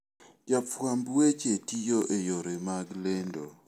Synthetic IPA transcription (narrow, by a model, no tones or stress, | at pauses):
d͡ʒapambwet͡ʃetijoʔejoɾemaɡlendo